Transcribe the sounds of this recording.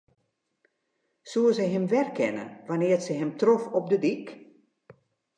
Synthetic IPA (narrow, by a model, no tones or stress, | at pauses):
suəzɛɦɪmʋɛrkʰɛnə̰ʋanɪːsəɦɛmtrofɔp̚dədik